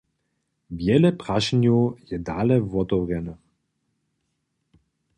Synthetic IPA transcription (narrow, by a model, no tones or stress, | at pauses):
vjɛlɛpɾaʃnujɛd̪alɛvɔt̪ɔvrjɛnə